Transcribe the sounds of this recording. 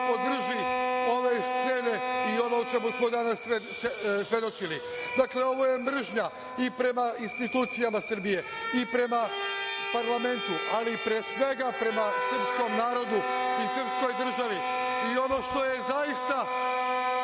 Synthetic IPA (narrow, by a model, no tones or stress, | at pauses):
po̞d̪r̩ʒio̞ʋe̞st̪se̞ːne̞io̞nout͡ʃe̞musmo̞d̪anasesesʋe̞d̪o̞t͡ʃili | d̪akle̞o̞ʋo̞je̞mr̩ʒɲa | ipɾe̞mainst̪it̪uːt̪sijamasr̩bije̞ | ipɾe̞mapaɾlame̞nt̪uʔalipɾeːsʋe̞ɡapɾe̞masr̩psko̞mnaːɾo̞d̪uisr̩psko̞jd̪r̩ʒaʋi | io̞no̞ʃt̪o̞je̞zajist̪a